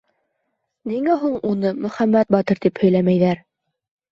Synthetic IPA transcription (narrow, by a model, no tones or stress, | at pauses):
niŋæɦuɴunɤmɵ̆χæmːæt̪̚bɑt̪ɤɾt̪iphɵ̆jlæmæjðæɾ